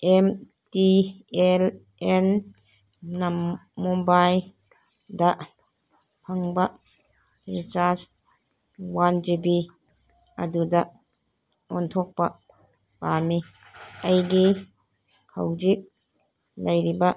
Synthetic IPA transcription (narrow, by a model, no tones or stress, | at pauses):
em | tiel | en | nammobaj | dɐ | pʰaŋba | ɾit͡ʃas | wand͡ʒibi | ɐ̰dudɐ | ɔntʰɔk̚pɐ | pami | ajɡi | kʰa̰wd͡ʒik̚ | lɐjɾiba